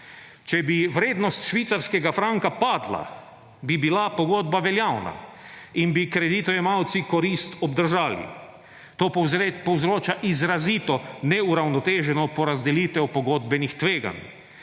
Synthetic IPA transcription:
t͡ʃɛbiʋɾeːd̪nɔst̪ʃʋit̪saɾskɛɡafɾaŋkapaːd̪la̰ | bibilapɔɡoːd̪baʋɛljawna̰inbikɾɛd̪it̪ɔjɛmawt̪sikɔɾist̪ɔbd̪əɾʒaːlḭ | t̪oːpɔwzɾoːt͡ʃaʔizɾaziːt̪ɔnɛuɾawnɔt̪eːʒɛnɔpɔɾazd̪ɛliːt̪ʋɛwpɔɡoːd̪bɛnixt̪ʋeːɡa̰n

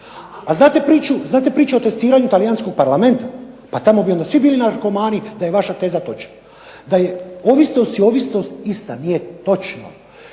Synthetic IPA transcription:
aznaːt̪epɾiːt͡ʃuznaːt̪̬e̞pɾiːt͡ʃuo̞t̪e̞st̪iːɾaɲut̪alijansko̞ɡ̚paɾlame̞nt̪apat̪amo̞bio̞nd̪asʋibiːlinaɾko̞maːnid̪aje̞ʋaʃat̪e̞ːzat̪o̞t͡ʃna | d̪ajeoʋisnosio̞ʋisnost̪ist̪a̰nijet̪o̞t͡ʃno̰

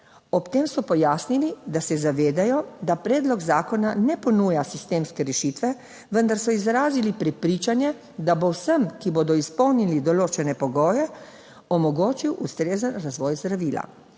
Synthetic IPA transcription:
ɔpt̪eːmsɔpɔjaːsnilid̪asɛzaʋeːd̪ajɔd̪apɾɛːd̪lɔɡzaːkɔnanɛpɔnuːjasist̪eːmskɛɾɛʃit̪ʋɛ | ʋənd̪aɾsɔizɾaːzilipɾɛpɾiːt͡ʃanjɛ | d̪abowsəmkiboːd̪ɔispɔwnilid̪ɔloːt͡ʃɛnɛpɔɡɔːjɛ | ɔmɔɡoːt͡ʃiwʔust̪ɾeːzənɾazʋɔːjzd̪ɾaʋiːla̰

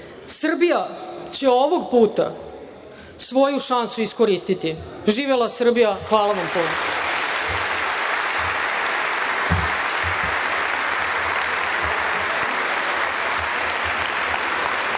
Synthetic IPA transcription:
sr̩bijat͡ɕe̞oʋoɡpuːt̪a̰ | sʋo̞juʃansuiskoɾiːst̪it̪i | ʒiːʋelˠasr̩bijaxʋaːlaʋampuːno

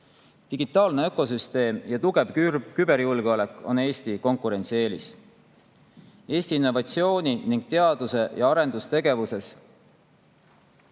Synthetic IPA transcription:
t̪iɡ̥it̪ːˑɑːlneøkːˑo̞syst̪e̞ːmjɑt̪uɡ̥e̞vkybe̞ɾjulɡ̥eole̞kːˑo̞̰ne̞ːst̪iko̞ŋkːˑuɾe̞nʲt̪sie̞ːlis | e̞ːsʲt̪iːnːo̞vɑt̪sio̞ːnʲiniŋɡ̥̚t̪e̞ɑd̪̥use̞jɑɑɾe̞nd̪̥ust̪e̞ɡ̥e̞vuse̞s

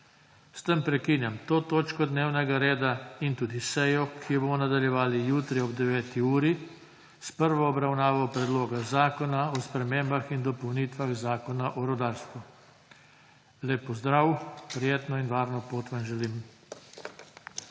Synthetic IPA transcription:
st̪əmpɾɛkinjamt̪oːt̪oːt͡ʃkɔd̪neːwnɛɡaɾeːd̪aint̪uːd̪isɛjɔkʰijɛbomɔnad̪aljɛʋaːlijuːt̪ɾiɔbd̪ɛʋɛːt̪iuːɾi | spəɾʋɔːbɾawnaːʋɔpɾɛd̪loːɡazaːkɔnaɔspɾɛmeːmbaxind̪ɔpɔwniːt̪ʋaɣzaːkɔnaʔɔɾɔd̪aːɾst̪ʋu | leːpːɔzd̪ɾawpɾijeːt̪nɔinʋaːɾnɔpoːt̪ʋanʒɛlim

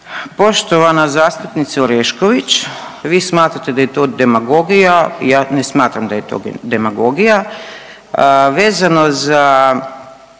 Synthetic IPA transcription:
po̞ʃt̪o̞ʋanazaːst̪upnit̪sioɾeʃkoʋit͡ɕʋiːsmaːt̪ɾat̪e̞d̪aje̞t̪o̞ːd̪e̞maɡoɡijaijaːnesmaːt̪ɾamd̪aje̞t̪o̞̰ːd̪emaɡo̞ɡija | ʋe̞ːzano̞za

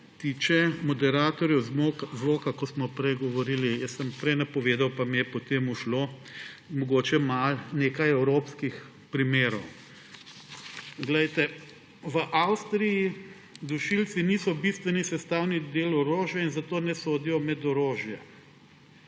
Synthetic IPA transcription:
t̪iːt͡ʃɛmɔd̪ɛɾaːt̪ɔɾjɛwzʋoːkakɔsmɔpɾɛjɡɔʋɔɾiːlijəsːəmpɾɛjnapɔʋeːd̪awpamijɛpɔt̪eːmuʃloːmɔɡoːt͡ʃɛmalnekajɛwɾopskix | pɾimeːɾɔw | ɡlɛjt̪ɛ | ʋəʔawst̪ɾiji | d̪uʃilsinisɔbist̪ʋɛnisɛst̪awnid̪eːlɔɾoːʒjɛinzat̪oːnɛsoːd̪ijɔmɛd̪ɔɾoːʒjɛ

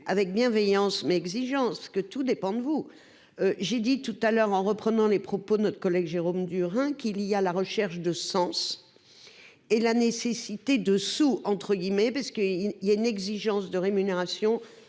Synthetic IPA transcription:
avɛk̚bjɛ̃vɛjɑ̃smɛɛɡziʒɑ̃skət̪ud̪epɑ̃d̪əvu | øʒed̪it̪ut̪alœʁɑ̃ʁəpχənɑ̃lepχɔpod̪ənɔt̪χə̥kɔlɛɡʒeʁomd̪yʁɛ̃kilijalaʁəʃɛʁʃd̪əsɑ̃s | elanesesit̪ed̪əsuɑ̃t̪χəɡʲimɛpaʁsə̥kəijaynɛɡziʒɑ̃sd̪əʁemyneʁasjɔ̃

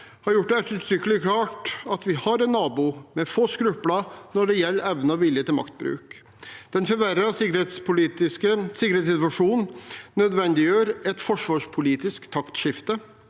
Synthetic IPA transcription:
hɑɾjʊʈ̚ːd̪ɛæt̪ʉt̪ʰɾʏkːəlɪkʰlɑːʈɑt̪ʋɪhɑɾɛnːɑːbumɛfoːskɾʉplɑnɔɖɛjɛlːɾɛʋnəɑʋɪljət̪ɪlmɑ̰kt̪̚bɾʉ̰ːk | d̪̥ɛnfɔɾʋæɾɑsɪkːet̪spʊlit̪ɪkəsɪkːəɾhet̪sɪt̪ʋɑʂuːnnœd̪ʋɛnd̪ɪjøːɾɛt̪fɔʂʋɑːʂpʰʊliːt̪ɪskt̪ʰɑkt̪ʂɪft̪ə

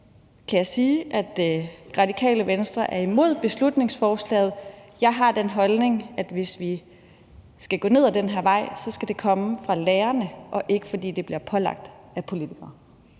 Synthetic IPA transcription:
kʰæjɑ̈ɪsiːʔæd̥ʁɑ̈dikʰɛ̰ːləʋensd̥ʁɐʔæɐimo̝ð̞̰ˠb̥e̝slud̥ne̝ŋsfɒːslɛ̰ːð̩ˠjɑ̈ɪɦɑ̈d̥enɦɒ̽lne̝ŋæd̥ʋe̝sʋi | sɡ̥æɡ̥ɔ̰ːne̝ð̰ˠæd̥enɦeɐ̰ʋɑ̈ɪ̰sɒ̽sɡ̥æd̥e̝kʰɒ̽məfʁɑ̈leːɐnəʔɒ̽ʔe̝ɡ̥əfɒ̽d̥ḭːd̥e̝b̥liɐpʰɒ̽lɑ̈ɡ̥̚d̥ | æpʰo̝lit͡sʰiɡ̥ɐː

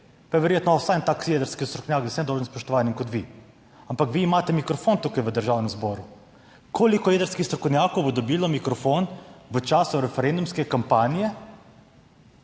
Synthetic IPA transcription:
pajɛʋɛɾjeːt̪nɔsajnt̪aːksijed̪əɾskist̪ɾɔkownjaːk̪ɛsɛnd̪owʒənmspɔʃt̪ɔʋaːnjɛmkɔt̪ʋi | ampakʋiːmaːt̪ɛmikɾɔfoːnt̪uːkajʋəd̪əɾʒaːwnɛmzbɔːɾu | kʰolikɔjeːd̪əɾskixst̪ɾɔkownjaːkowbɔd̪ɔbiːlɔmikɾɔfoːnʋət͡ʃaːsuɾɛfɛɾɛnd̪umskɛkampaːnijɛ

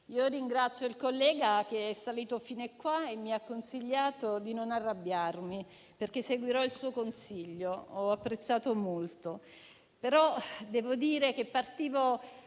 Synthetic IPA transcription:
iːoriŋɡɾat̪sːjoilkolːɛːɡak̟eɛsːaliːt̪ofiːnekːwaemːiakːonsiʎːaːt̪od̪inonarːabːjarmi | perkesːeɡwiɾɔilsuːokonsiʎːoɔapːɾet̪sːaːt̪omolt̪o | peɾɔd̪ɛːvod̪iːɾek̟epːart̪iːvo

